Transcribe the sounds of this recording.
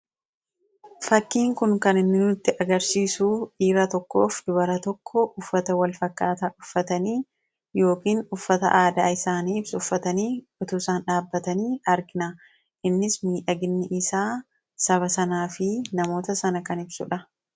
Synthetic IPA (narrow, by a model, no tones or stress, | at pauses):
fɐkːiːŋkʊŋkɐnɪnːɪnʊt̪ːɪʔɐɡɐɾsiːsuːᶑiːɾɐt̪ɔkːo̞̰ːfd̪ʊbɐɾɐt̪ɔkʰːɔʔʊfːɐt̪ɐwɐlfɐkːaːt̪aʔʊfːɐt̪ɐniː | jo̞ːkiːnʊfːɐt̪ɐ̰ʔaːd̪aːɪsaːniːɪbsʊʊfːɐt̪ɐniː | ʊt̪uːsaːnᶑaːbːɐt̪ɐniːɐɾɡɪnɐ | ʔɪnːɪsmiːᶑɐɡɪnːɪʔɪsaː | sɐβɐsɐnaːfɪnɐmo̞ːt̪ɐsɐnɐkɐnɪbsʊ̰ᶑɐ